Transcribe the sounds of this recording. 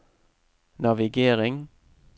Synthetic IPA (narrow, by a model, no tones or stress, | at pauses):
nɑʋɪɡeːʁɪŋ